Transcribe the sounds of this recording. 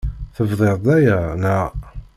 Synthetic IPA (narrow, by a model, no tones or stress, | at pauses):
θəvðˤeɾˤd̪æjænæ